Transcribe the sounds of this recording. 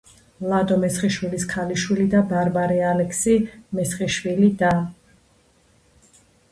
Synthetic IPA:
lˠad̪ɔmɛsχiʃwiliskʰaliʃwilid̪abaɾbaɾialɛkʰsimɛsχiʃwilid̪a

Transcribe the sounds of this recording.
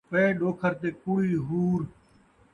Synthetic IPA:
pəeːɗoːkʰəɾt̪eːkuːɽiːɦuːɾ

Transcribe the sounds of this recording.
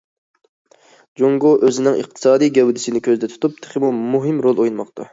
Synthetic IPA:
d͡ʒoŋɡoʔøzɪnɪŋə̰q̚t̪ʰɨ̥sɑːd̪ijɡʲɛwd̪ɪsɪnɪkʲʰøzd̪ɛt̪ʰu̥t̪up̚t̪ʰɪ̥χʰɪmumuɦɪmɾolˠojunmɑqt̪ʰɑ̰

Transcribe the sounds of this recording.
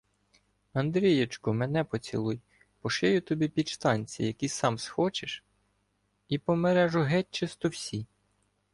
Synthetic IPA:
ɐnd̪ɾʲijet͡ʃkʊmɛnɛpɔt͡sʲḭlˠuj | pɔʃɪjʊt̪ɔbʲipʲid̪ʃt̪ɑnʲt͡sʲḭjɐkʲisɑmsxɔt͡ʃeʃ | ipɔmeɾɛʒʊɦɛt͡ʃːɪst̪ɔwsʲi

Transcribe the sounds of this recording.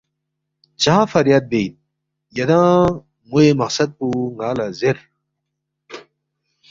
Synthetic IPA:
t͡ɕaãfɐɾjad̪̚beːt̪̚ | jɐd̪ãː | muemɐqsɐd̪̚puŋaːlazeɾ

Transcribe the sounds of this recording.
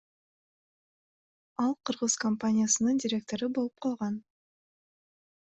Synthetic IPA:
ɑlˠqʰɯɾʁɯz̥kɐmpanʲɪjasɯnɯndʲɪɾʲe̞k̚t̪o̞ɾɯbo̞lˠup̚qʰɑlˠʁɑn

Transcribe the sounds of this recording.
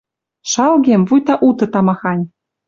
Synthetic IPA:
ʃɑlɣʲemvujt̪ɑʔut̪ɤ̆t̪ɑmɑxɑnʲ

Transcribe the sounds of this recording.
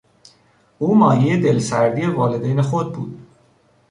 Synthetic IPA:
uːmɒːjejed̪e̞lsæɾd̪iːevɒːle̞d̪ejnexod̪̚bṵːd̪̥

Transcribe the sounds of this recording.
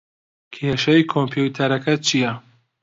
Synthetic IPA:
kʰeʃɐjkʰompʰjut̪ʰɐɾɐkʰɐt͡ʃʰijɐ

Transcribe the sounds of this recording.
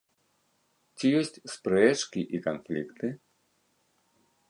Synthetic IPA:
t͡sʲijɔsʲtʲspɾɛt͡ʂkʲiʔikanflʲikt̪ɨ

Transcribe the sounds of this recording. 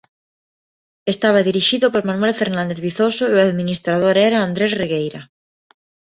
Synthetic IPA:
est̪aβ̞aðiɾiʃiðopoɾmanwɛlfeɾnãnd̪eðβiθosoeaðminist̪ɾað̞oɾɛɾaːnd̪ɾezreɣejɾa

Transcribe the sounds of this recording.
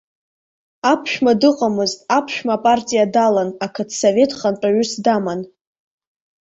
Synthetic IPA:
apʰʃᶣmadɨqʼamɨztʼapʰʃᶣmapʼartʼijadalanakʰadʰsove̞tʰʼχanʈ͡ʂʼaɥʊsdaman

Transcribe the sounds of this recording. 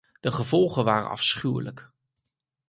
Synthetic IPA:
d̥əχəvɔlˠχənʋaːrə̰ɑ̰fsχywlə̰k

